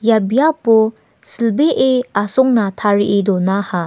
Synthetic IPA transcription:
jabijapu | silbeʔeasɔŋnatʰaɾiʔidɔnaha

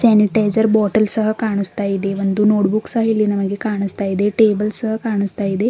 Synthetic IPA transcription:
sɛniʈajzəɾbɔʈəlsəɦəkaɳ̃əst̪aid̪eʋənd̪uːnoʈbuksaɦilinəməɡekaɳ̃əst̪aid̪eʈebəlsəɦəkaɳ̃əst̪aid̪e

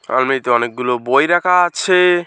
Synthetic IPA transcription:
a̰lmeit̪eɔnek̚ɡulobojɾakʰaat͡ɕʰe

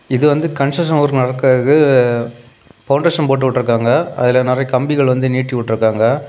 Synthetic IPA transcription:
ɪðɯʋɐnd̪ɯkɐnsɐʂɐnɔɾnɐɾɐkːɐɣɯ | fɐʊɳɖeːʂɐnpoːʈːɯʋɪʈːɪɾɯkːaːŋɡɐɐ̰ðɪlɐnɪɾɐjɐkɐmbɪɣɐɭʋɐnd̪ɯniːʈːiʋɪʈːɪɾɯkːaːŋɡɐ

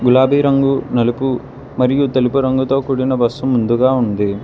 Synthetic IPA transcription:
ɡulaːbiːɾɐŋɡunɐlipu | mɐɾijut̪ɐlipuɾɐŋɡut̪o̞ːkuːɽinɐbɐsːumund̪uɡaːund̪i

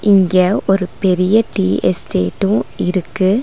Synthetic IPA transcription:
ʔɪŋɡɐʔɔɾɯpɛɾɪjɐʈiːɛsʈeːʈːɯ̃ɪɾɯkːɯ

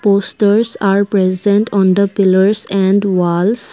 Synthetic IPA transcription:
poːsʈəɾsaːɾpɾɛzɛ̃ɳʈʰɔ̃ːnd̪əpɪləɾsɛ̃ɳɖʋaːls

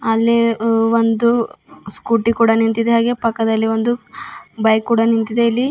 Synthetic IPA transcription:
ɐlːiʋond̪uskuːʈːikuːɽɐnint̪id̪eɦaːɡe̞pɐkːɐd̪ɐlːiʋond̪ubɐjkːuːɽɐnint̪id̪e̞ilːi

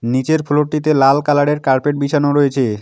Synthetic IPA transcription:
nit͡ɕeɾpʰuloʈːit̪̬elalkalaɽeɾkaɾpeʈ̚bit͡ɕʰanoɾɔjet͡ɕʰe

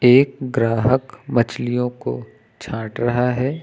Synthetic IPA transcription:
eːk̚ɡɾaːɦəkmɐt͡ʃlijõko̰ | t͡ʃʰãːʈɾɐɦaɦɛː

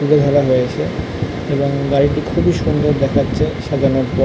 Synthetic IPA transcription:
uɾed̪ʱɔɾaɦoet͡ɕʰe | eboŋɡaɾiʈikʰubiʃund̪ʱoɾd̪ɛkʰatːɕʰeʃad̪ʱaɾnoɾpɔ

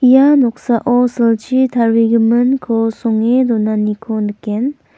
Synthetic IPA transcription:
ijanɔk̚saʔɔsɯld͡ʒit̪ʰaɾiɡɯmɯnkʰosɔŋed̪ɔnanikʰonɯkːen

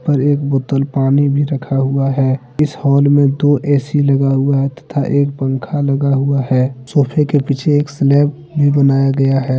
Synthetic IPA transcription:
pəɾeːkboːt̪əlpaːnibʱiɾəkʰaɦʊaɦɛː | ɪshɔːlmẽd̪oːʔeːsilɐɡaɦʊaɦɛt̪ɐ̥t̪ʰaʔeːk̚bə̃ŋkʰaləɡaɦʊaɦɛːsoːpʰekepit͡ʃʰeeːkslɛːp̚ | bʱibənaːjaɡɐjaɦɛː

